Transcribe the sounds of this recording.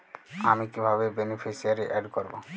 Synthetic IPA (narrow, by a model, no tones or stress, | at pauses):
amikibʱaβebenipʰisiaɾeʔɛɖkɔɾbo